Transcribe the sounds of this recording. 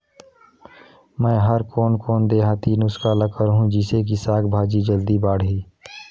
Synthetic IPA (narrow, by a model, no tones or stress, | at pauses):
mɛ̃ːɦəɾkoːnkoːnd̪eːɦaːt̪iːnʊskaləkəɾɦũd͡ʒɪsek̬isaːkbʱaːd͡ʒid͡ʒəld̪ibaːɽɦiː